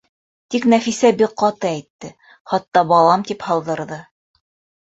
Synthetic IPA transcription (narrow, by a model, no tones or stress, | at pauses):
t̪iknæfisæbiqqɑt̪ɤæjt̪ːɘ | χɑt̪ːɑbɑlˠɑmt̪iphɑlˠd̪ɤ̆ɾðɤ